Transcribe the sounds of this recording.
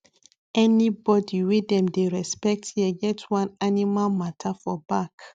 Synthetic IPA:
ɛnibɔdiwidɛ̃mdeɹɛspɛk̚tjɛɡɛtwãnanimalmatʰafɔbak

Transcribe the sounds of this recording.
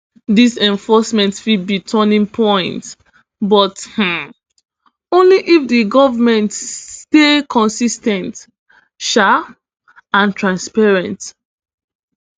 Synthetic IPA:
disɛ̃ɱfɔsmɛ̃ntfid̚bitʰɔnĩŋpʰɔ̃ɪ̃nt | bɔth̩ | õnliʔifdiɡɔvamɛ̃ntstekʰɔ̃nsistɛ̃nt | ʃa | ãntʰɹãnspɛɹɛ̃nt

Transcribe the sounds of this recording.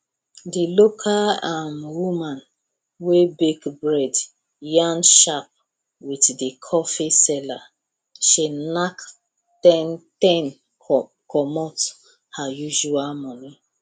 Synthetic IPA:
dilokʰalamwumãn | webekbɹɛd | jãnʃap̚ | witdikʰɔfisɛla | ʃenak | tɛntɛ̃n | kɔmɔt | hajuʒualmɔni

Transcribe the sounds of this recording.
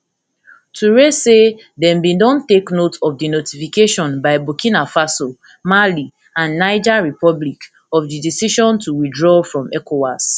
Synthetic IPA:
tʰuɹese | dɛ̃mbĩndɔ̃nteknotɔvdinotifikeʃɔ̃nbaɪbukĩnafaso | mali | ãnːaɪd͡ʒaɹipɔblik | ɔfdidisiʃɔ̃ntuwidɹɔfɹɔ̃mɛkowas

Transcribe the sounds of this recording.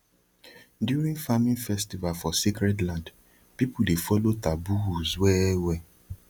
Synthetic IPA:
djuɾĩŋfamĩnfɛstivalfɔsikɾɛdlãnd | pipudefɔlotabuuzwɛwɛ

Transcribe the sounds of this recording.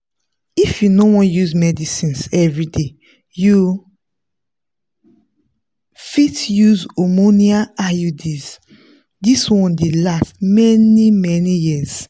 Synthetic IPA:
ifjunowɔ̃njuzmɛdisĩnsɛvɹide | ju | fitjuzomoniaajudiz | diswɔ̃ndelastmɛnimɛnijiz̥

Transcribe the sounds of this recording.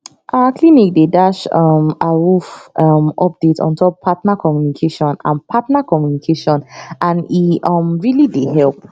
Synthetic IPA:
ʔakʰlinik̚dedaʃɔmaɹufɔmɔp̚d̥etʰɔ̰̃ntʰɔpʰːatnakʰɔmjunikʰeʃɔ̃nã̰npʰatnakʰɔmjunikʰeʃɔ̃nʔãniɔ̃mɹilidehɛlp̚

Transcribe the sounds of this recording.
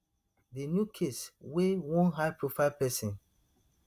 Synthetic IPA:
denjukʰeswewõnɦaɪpɹofapɛsĩn

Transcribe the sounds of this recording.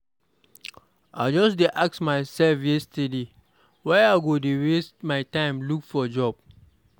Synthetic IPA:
ad͡ʒɔsdeʔak̚smaɪsɛlfjɛstəde | waaɪɡodewestmaɪtãɪ̃mlukfɔd͡ʒɔb̥̚

